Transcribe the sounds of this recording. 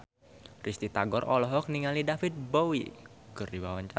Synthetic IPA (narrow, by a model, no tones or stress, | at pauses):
rʔist̪it̪aɡɔɾɔlɔɦɔk̚niŋalidafɪt̪̚bowi | kɨrdiwawaɲt͡ʃa